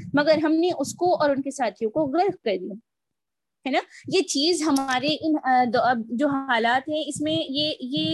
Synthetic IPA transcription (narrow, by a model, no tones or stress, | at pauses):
mɐɡəɾɦɐmneʔʊskoɔːɾʊnkesaːt̪ʰijõkoɣɐɾfkɐɾd̪ija | ɦɛːnaːjet͡ʃiːzɦɐmaːɾeʔɪnd̪ɐd͡ʒoːɦaːlaːt̪ɦɛ̃ɪsmẽjejeː